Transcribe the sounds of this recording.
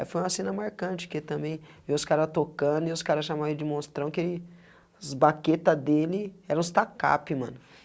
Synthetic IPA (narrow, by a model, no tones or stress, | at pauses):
fojũmɐsẽnɐmaɾkɐ̃t͡ʃɪ̥ket̪ɐ̃mbẽj̃veʊskaɾɐzt̪okɐ̃d̪ʊɪʊskaɾɐs̬ʃamɐ̃ed͡ʒɪmost̪ɾɐ̃w̃kelɪ | zbaket̪ɐd̪elɪɛɾɐ̃st̪aka̰pɪmɐ̰̃nʊ